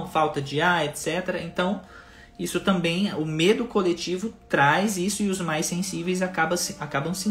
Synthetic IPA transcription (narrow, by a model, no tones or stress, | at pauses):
fawt̪ɐd͡ʒɪaet̪sɛt̪eɾɐẽnt̪ɐ̃w̃ | isʊt̪ɐ̃mbẽj̃ʊmed̪ʊkolet͡ʃivʊt̪ɾajzisʊɪʊzmajsẽsivejzakabɐsakabɐ̃w̃sĩ